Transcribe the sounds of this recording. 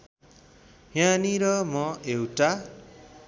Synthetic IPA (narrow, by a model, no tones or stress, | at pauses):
ɦjaniɾʌmʌewʈa